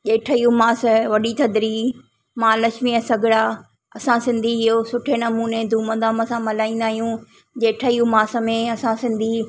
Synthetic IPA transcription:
ʄeːʈʰəijũmaːsʋɐɗit̪ʰɐd̪ɾi | mãːlɐʃmiəsɐɡʱɪɽaː | ɐsãsɪ̃nd̪ʱiɪɦosʊʈʰenɐmuːned̪ʱuːməd̪aːməsãmɐlaːĩːn̆d̪aːɦijũ | ʄeːʈʰəijũmaːsə̆mẽɐsãsɪ̃nd̪ʱi

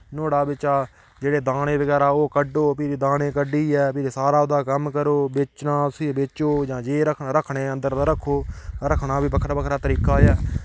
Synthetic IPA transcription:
noːɽaːbɪt͡ʃaː | d͡ʒeːɽeːd̪aːɽẽːbəɡɛːɾaːoːkəɖoːpiːɾiːd̪aːɽẽːkəɖiːɛːpiːɾeːsaːɾaːod̪aːkəmkəɾoːbet͡ʃnãːsiːbeːt͡ʃoːd͡ʒãːd͡ʒeːɾəkʰɾəkʰɳeːənd̪əɾd̪aːɾəkʰːoːɾəkʰɳãːbiːpəkʰɾapəkʰɾaːt̪əɾiːkaːjaː

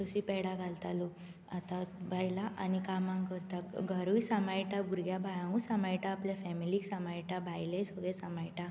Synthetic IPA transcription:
t̪əsipɛɽaɡʱalt̪alu | at̪abʱajlaʔa̰nikamãŋkəɾt̪aɡʱaɾujsamajʈaɡuɾɡjabʱajãũsamajʈaːpljafɛmiliksamajʈabʱajlesəɡɭɛsamajʈa

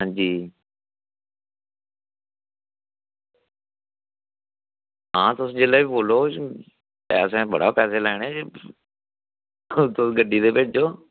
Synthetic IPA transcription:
ɦãːɲd͡ʒiː | ɦãːt̪ʊsd͡ʒeːlaːboːloː | pɛːsẽːbə̰ɽa̰ːpɛːseːlɛːɽ̃eːd͡ʒ | t̪ʊsɡəɖːiːd̪eːped͡ʒoː

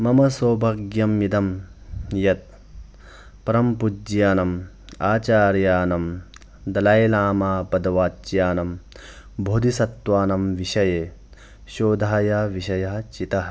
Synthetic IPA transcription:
mɐmɐsoːbʱɐɡjɐmjid̪ɐmjɐt̪̚ | pɐɾɐmpud͡ʒjaːnɐm | aːt͡ʃaːɾjaːnɐm | d̪ɐlaːjlaːmaːpɐd̪ɐʋaːt͡ʃjaːnɐm | bʱoːd̪isɐt̪ʋaːnɐmʋiʃɐjeː | ʃoːd̪ʱaːjɐʋiʃɐjɐɦɐt͡ʃit̪ɐɦɐ

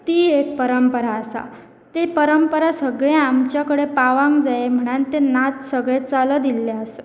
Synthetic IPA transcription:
t̪iːek̚pəɾəmpəɾaːsa̰ | t̪epəɾəmpəɾasəɡɭẽamt͡ɕjakəɽepaʋãŋkd͡zaem̤əɽ̃ant̪enat̪səɡɭet͡saləd̪ilːaəsə̥

